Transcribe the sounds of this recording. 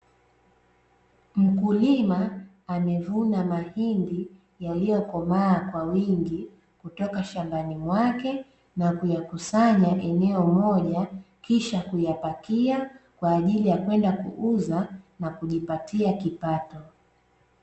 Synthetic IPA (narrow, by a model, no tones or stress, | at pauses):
m̩kulimaː | mɛvunamahindi | jalijɔkɔmaːkwawiŋɡi | kutɔkaʃambanimwakɛ | nakujakusaɲaʔɛnɛɔmɔʄa | kiʃakujapakiakwaːʄilijakwɛndakṵʔuzanakuʄipatiakipatɔ